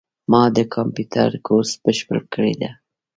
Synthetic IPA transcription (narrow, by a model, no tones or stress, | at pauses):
mɑd̪əkʰɑmpjut̪ʰa̰ɾkos̚b̥əʃpə̰lkəɽed̪a